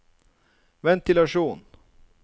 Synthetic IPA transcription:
vɛnt̪ɪlaʂuːn

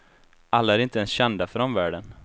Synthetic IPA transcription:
ʔalːaæɾɪnt̪əɛnsɕɛnd̪afɾɔnvæːɖən

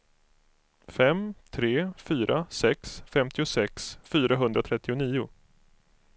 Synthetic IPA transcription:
fɛmt̪ʰɾeːfyːɾʔasɛksfɛmt̪ɪʊsɛksfyːɾaɦɵnd̪ɾat̪ʰɾɛt̪ːɪʊniːʊ

